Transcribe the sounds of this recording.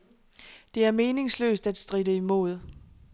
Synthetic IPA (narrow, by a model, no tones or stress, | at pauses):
d̥e̝æɐme̝ːne̝ŋslø̰ːsd̥æd̥sd̥ʁidəimo̝̰ð̞ˠ